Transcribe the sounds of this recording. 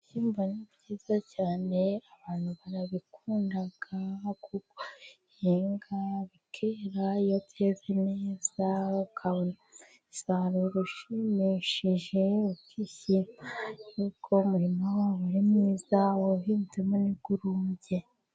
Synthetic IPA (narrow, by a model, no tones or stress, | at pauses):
çimvanibɟiːz̥acaːne̞aβaːn̥huβaɾaβikʰuːndaɡ̥akuko | heːŋɡaβikʰeɾajotʰezeneːz̥aukʰaβona | isaɾoɾuʃimiʃiʒe̞ukiçimaukʰo̞muɾimowaːwuɾimniːzaoɦiːntemoniɡ̥uɾuːɲɟe̞